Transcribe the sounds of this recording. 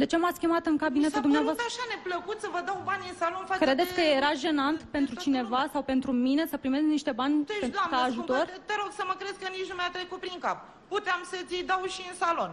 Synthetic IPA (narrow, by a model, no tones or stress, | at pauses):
d̪e̞t͡ʃe̞mat̪sʲkʲimat̪ɨŋkabine̞t̪ud̪umneavoast̪ɾaʃane̞pləkut̪sʲəvəd̪awbanʲɨnsalo̞nfakɾe̞d̪e̞t̪ʲkəje̞ɾaʒe̞nant̪pe̞nt̪ɾut͡ʃine̞vasawpe̞nt̪ɾumine̞səpɾime̞skniʃt̪e̞banʲent̪ukaːʒut̪oo̞rt̪eɾo̞ɡsəməkɾe̞d̪kənit͡ʃnumajat̪ɾekut̪̚pɾiŋkap̚ | put̪eamsət̪sijd̪awʃiɨnsalo̞n